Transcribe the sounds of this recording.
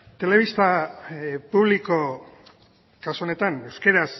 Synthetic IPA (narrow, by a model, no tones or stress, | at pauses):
t̪e̞leβ̞ist̪a | puβliko̞ | kasuone̞t̪ane̞wske̞ɾas